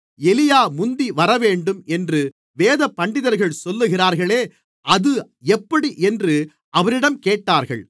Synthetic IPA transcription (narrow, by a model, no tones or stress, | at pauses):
ɛlɪjaːmʊnd̪iʋɐɾɐʋeːɳɖɯmɛndrɯ | ʋeːðɐpːɐɳɖɪðɐɾɣɐɭsɔlːɯɣɪraːɾɣɐɭeː | ʔɐðɯ | ɛpːɐɽiʔɛndrɯ | ʔɐʋɐɾɪɽɐmkeːʈːaːɾɣɐ̰ɭ